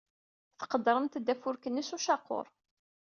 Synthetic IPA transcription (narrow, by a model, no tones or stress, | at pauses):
θə̥qəd̪ɾˤənt̪d̪ːæfʊɾkənːisuʃɑqːo̰ɾˤ